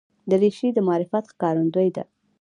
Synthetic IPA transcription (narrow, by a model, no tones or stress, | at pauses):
d̪əɾeʃid̪əmɑɾɪfat̪xkɑɾund̪ojd̪a̰